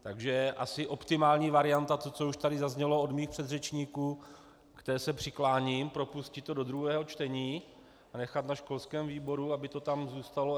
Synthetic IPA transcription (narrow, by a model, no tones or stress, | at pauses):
t̪aɡʒɛʔasɪʔo̞pt̪ɪmaːlɲiːvaɾɪant̪at̪ot͡so̞uʃt̪adɪzazɲɛlood̪miːxpr̥ɛd̪rɛt͡ʃɲiːkuː | kt̪ɛːsɛpr̥ɪklaːɲimpɾo̞puscɪt̪ːo̞do̞d̪ɾuɦɛːɦo̞t͡ʃt̪ɛɲiː | anɛxat̪naʃko̞lskɛːmviːbo̞ɾuabɪt̪o̞t̪amzuːst̪alo